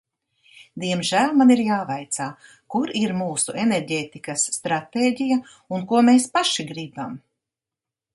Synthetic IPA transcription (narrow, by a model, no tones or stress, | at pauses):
d̪iɛmʒæːlʲˠmaniɾjaːvajt̪saː | kuɾiɾmuːsuʔeneɾɟeːt̪ikɐsːt̪ɾat̪eːɟija | unkuɔmeːspaʃiɡɾibam